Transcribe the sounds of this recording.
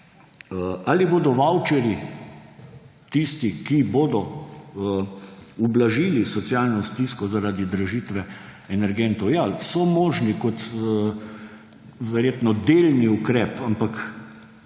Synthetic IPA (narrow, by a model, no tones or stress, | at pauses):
aliboːd̪ɔʋawt͡ʃɛɾji | t̪ist̪ikiboːd̪ɔ | ublaʒilisɔt̪sjalnɔst̪iskɔzaɾaːd̪id̪ɾaʒiːt̪ʋɛ | ɛnɛɾɡɛnt̪ɔwjasɔmɔːʒnikɔt̪ː | ʋɛɾjeːt̪nɔd̪eːlniukɾɛpampak